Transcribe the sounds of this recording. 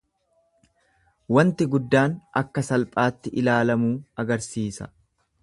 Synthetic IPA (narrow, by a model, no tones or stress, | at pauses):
wɐnt̪ɪɡʊd̪ːaːnʔɐkːɐsɐlpʼaːt̪ːɪʔɪlaːlɐmuːɐɡɐɾsiːsɐ̰